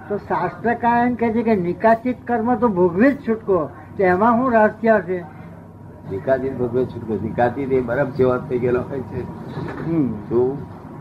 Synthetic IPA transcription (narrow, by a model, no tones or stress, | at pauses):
t̪osast̪ɾəkajənkɛt͡ʃʰekenikat͡ʃit̪kəɾmə̃t̪obʱuɡʋit̪t͡ʃʰuʈko | t̪ɛmãɦũɾaɾt̪ʰjaʃe | nikat͡ʃit̪̚bʱuɡʋit̪t͡ʃʰuʈkonikat͡ʃit̪ebəɾəb̚t͡ʃʰeʋat̪pʰəikenəkʰəjt͡ʃʰeɦt̪ũ